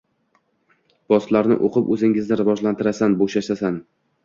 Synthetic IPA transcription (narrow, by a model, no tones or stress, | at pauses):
b̥ɒst̪laɾnɪ̰ʔoqʰɨpɵzɪŋɪznɪɾɪvɒʒlant̪ɪɾasanboʃaʃasan